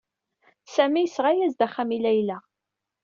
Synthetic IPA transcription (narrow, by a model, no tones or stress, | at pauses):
sæmijəsʁajæzd̪æχæmilæjlæ